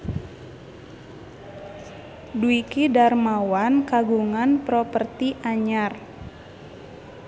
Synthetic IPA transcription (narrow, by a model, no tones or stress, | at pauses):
duikidarmawankaɡuŋanpɾɔpərt̪iʔaɲar